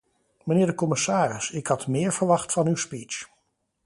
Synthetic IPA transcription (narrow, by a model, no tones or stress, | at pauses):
mənɪːɹdəkɔmɪsaːrɪsɪkhɑtmɪːɹv̥əɹʋɑχtfɑnywspiːt͡ʃ